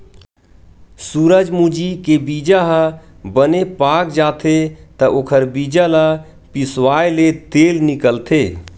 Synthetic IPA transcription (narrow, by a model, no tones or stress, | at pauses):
suːɾəd͡ʒmud͡ʒikebiːd͡ʒaɦ | bənepaːkd͡ʒaːt̪ʰet̪əʔoːkʰəɾbiːd͡ʒala | pɪswaːelet̪eːlnɪkəlt̪ʰeː